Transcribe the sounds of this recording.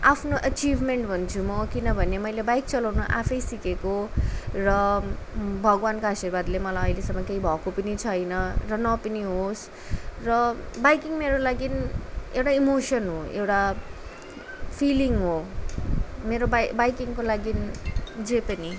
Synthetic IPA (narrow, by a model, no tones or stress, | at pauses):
apʰnoʔʌt͡sibʱmeɳʈbʱʌnt͡sʰumʌkinʌbʱʌnemʌjlebajk̚t͡sʌlawnuʔa̰pʰʌjsikekorʌ | bʱʌɡwankoɦasirbad̪lemʌlajʌjlesʌmʌkejbʱʌkopʌnit͡sʰʌjnʌrʌnʌpʌniɦos | rʌbajkiŋmeɾolaɡinewʈaimosʌnɦoewʈa | pʰiliŋɦo | meɾobabajkiŋkolaɡind͡zepʌni